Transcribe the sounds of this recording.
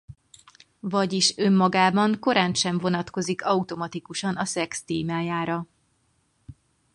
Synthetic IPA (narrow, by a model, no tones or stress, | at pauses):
vɒɟiʃømːɒɡaːbɒŋko̞ɾaːnʃɛɱvo̞nɒt̪ko̞zikɒut̪o̞mɒt̪ikuʃɒnɒsɛkst̪eːmaːjaːɾɒ